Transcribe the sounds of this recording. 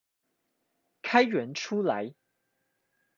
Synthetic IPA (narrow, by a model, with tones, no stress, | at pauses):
kʰa˥ɪɥə˨˧˥nʈ͡ʂʰu˥la˧˦ɪ